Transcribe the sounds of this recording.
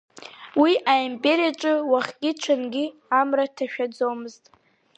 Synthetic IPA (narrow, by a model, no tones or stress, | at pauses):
wiʔaimpʼe̞ɾijaʈ͡ʂʼɨwaχʲɡʲɪt͡ʃʷʰanɡʲiamratʰaʃᶣad͡zomɨztʼ